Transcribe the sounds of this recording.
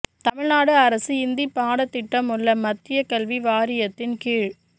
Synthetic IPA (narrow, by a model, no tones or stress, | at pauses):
t̪ɐmɪɻnaːɽɯɐɾɐsɯɪnd̪ipaːɽɐt̪ːɪʈːɐmʊɭːɐmɐt̪ːɪjɐkɐlʋiʋaːɾɪjɐt̪ːɪnkiːɻ